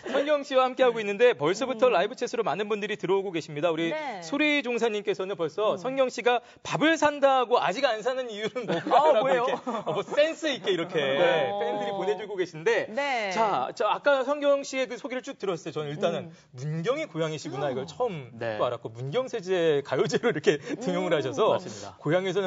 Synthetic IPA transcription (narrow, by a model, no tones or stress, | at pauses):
sʰʌŋɡjʌŋɕ͈iwahamk͈e̞ɦaɡoinːɯnde̞pʌɭs͈ʌbutʰʌɾaibɯt͡ɕʰesʰɯɾomanɯnbundɯɾitɯɾʌoɡoɡe̞ɕʰimɲidauɾisʰoɾid͡ʑoŋsʰaɲːimk͈e̞sʰʌnɯnpʌɭs͈ʌsʰʌŋɡjʌŋɕ͈iɡa | pabɯɭsʰandaɦɡoa̰d͡ʑiɡansʰanɯnijuɾɯnboaɾaɡejokeʌmʌs͈e̞ns͈ʰɯit̚k͈eiɾʌkʰe̞pʰendɯɾipone̞d͡ʑuɡoɡe̞ɕʰinde̞t͡ɕat͡ɕaːk͈asʰʌŋɡjʌŋɕ͈ʰie̞kɯsʰoɡiɾɯɭt͡ɕ͈uk̚t͈ɯɾʌsʌs͈ejot͡ɕʌnniɭt͈anɯn | munɡjʌŋikojaŋeɕʰiɡunaiɡʌɭt͡ɕʰʌɯm͈oaɾak͈omunɡjʌŋsʰe̞d͡ʑekajod͡ʑeɾoiɾʌkʰe̞tɯŋjoŋɯɭhaɕʰʌs̬ʰʌkojaŋes̬ʰʌnɯ